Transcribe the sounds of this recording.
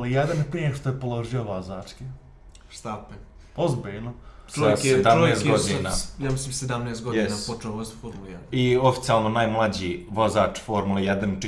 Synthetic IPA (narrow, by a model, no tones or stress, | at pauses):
lijed̪anpɾieʃt̪ojepolˠo̞ʒijoʋozaːt͡ʂki | ʃt̪ape | ozbiʎnot͡ʃojked̪aonejeːst̪ɡod̪inajaːmislimsed̪amneːst̪̚ɡojɛinapot͡ʃeoʋozfoɾmuljɛd̪iofi̥t̪siaːlˠnonaːjmlˠad͡ʑiːʋozaːt͡ʃfoɾmulejed̪ant͡ʃ